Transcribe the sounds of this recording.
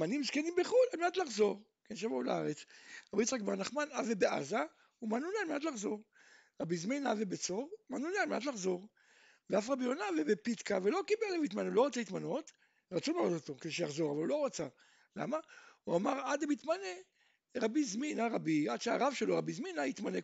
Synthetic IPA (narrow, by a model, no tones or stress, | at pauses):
manimzkenimbeχulalmenatlaχzo̞ʁ | kenʃavaula̰a̰ʁet͡sʁabit͡sʁakbaʁanaχmanavebeʔa̰za | umanunealmenat̬laχzo̞ʁ | ʁabizminavebet͡so̞ʁmanunealmenʔat̪̬laχzo̞ʁ | veafʁabionavebepit̪kavelo̞kibelevitmaneulo̞ʁat͡seit̪mano̞t̪ | ʁat͡sulalotot̪o̞kd̪eʃejaχzo̞ʁavalulo̞ʁat͡sa̰ | la̰mauamaʁad̪amit̪mane | ʁabizminaʁabiad̥̪ʃeaʁavʃelo̞ʁabizminait̪mane